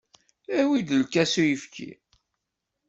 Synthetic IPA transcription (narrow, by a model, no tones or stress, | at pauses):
æwid̪əlkːæsujəfkʰḭ